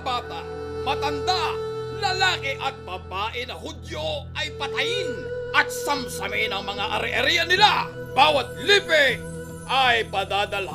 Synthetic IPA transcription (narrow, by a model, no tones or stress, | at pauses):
baːt̪a | mɐt̪ɐnd̪alɐlaːkɪʔɐt̪̚bɐbaːʔɪnɐhʊd̪joʔɐjpɐt̪ɐjɪnʔɐt̪̚sɐmsɐmɪnɐŋmɐŋaʔɐɾɪʔɐɾijɐnɪlabaːwɐt̪̚liːpɛ | ʔɐjpɐd̪aːd̪ɐl